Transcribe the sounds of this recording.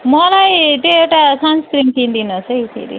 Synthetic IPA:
mʌlajt̪eewʈasanskɾiŋt̪ind̪inʌsʰʌit̪ʰḛɾḭ

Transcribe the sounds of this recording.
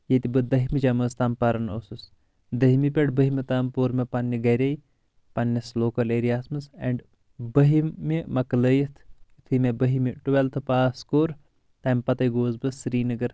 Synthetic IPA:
jet̪ibɨd̪ɐɦimid͡ʒɐmɐst̪aːmpɐɾɐnosɨs | d̪ɐɦimipʲeʈbɐɦimet̪aːmpoːɾmepɐnʲːiɡɐɾʲɐj | pɐnːɐsloːkɐleːɾijaːsmɐsḛɳɖ | bɐɦimimɐkləjit̪ʰ | t̪ʰɨmebəɦimiʈuʋelt̪ʰɨpaːskoːɾ | t̪ɐːmpɐt̪ɐjɡoːzbɨsːɾiːnɐɡɐɾ

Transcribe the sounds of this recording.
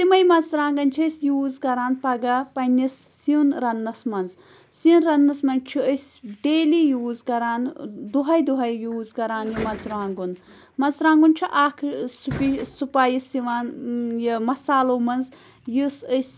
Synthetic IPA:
t̪imɐjmɐzɾaːŋɡɐnt͡ʃʰisʲjuːzɡɐɾaːnpɐɡɐpɐnisːiunɾɐnːɐsmɐnz | siunɾɐnːɐsmɐnt͡ʃʰiəsʲ | ɖeːliːjuːzɡɐɾaːnd̪uɦɐjd̪uɦɐjjuːzɡɐɾaːnjimɐzɾaːŋɡun | mɐzɾãːŋɡunt͡ʃʰiʔaːkʰsupisupaːjisiʋaːnjimɐsaːloːmɐnz | jusəsʲ

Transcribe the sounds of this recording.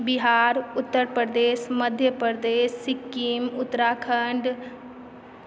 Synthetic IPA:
biɦaːɾʊt̪ːəɾpɾəd̪eːsməd̪ʱjəpɾd̪eːsːɪkːimʊt̪ːəɾaːkʰəɳɖ

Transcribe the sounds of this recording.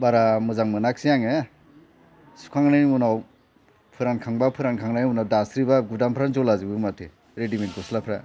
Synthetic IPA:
baɾamɯzaŋmɯnak̚sijaŋe | su̥kʰaŋnajmunaw | pʰɯɾankʰaŋbapʰɯɾankʰaŋnajmunawdasɾibaɡudampʰɾanzɔlazibɯmatʰe | ɾediment̚ɡɔslapʰɾa̰

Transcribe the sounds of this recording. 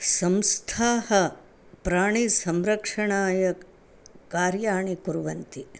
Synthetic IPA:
sɐmst̪ʰaːhɐ | pɾaːɳ̃isɐmɾɐkʂɐɳaːjɐ | kaːɾjaːɳikuɾuʋɐnt̪i

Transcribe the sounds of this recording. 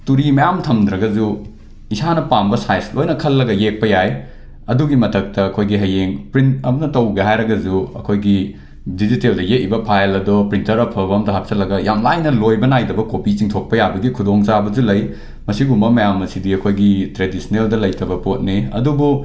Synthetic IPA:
tuɾimɐjamtʰɐmd̪ɾɐɡɐd͡ʒu | isanɐpambɐsajslojnɐkʰɐlːɐɡɐjek̚pɐjaj | ɐduɡimɐtʰɐk̚tɐːkʰojɡiɦɐjeŋpɾintɐmɐnɐtɐwɡeɦajɾɐɡɐd͡ʒuɐ̰kʰojɡi | diziteldɐjet̚ːibɐpʰajlɐdɔpɾintɐɾɐpʰobɐmdɐɦap̚sɐlɐɡɐjamlajnɐlojbɐnajdɐbɐkopit͡ʃiŋtʰok̚pɐjabɐɡikʰudoŋt͡ʃabɐd͡ʒulɐj | mɐsiɡumɐmɐjamːɐsidiɐkʰojɡitɾedisineldɐlɐjtɐbɐpot̚niɐ̰dubu

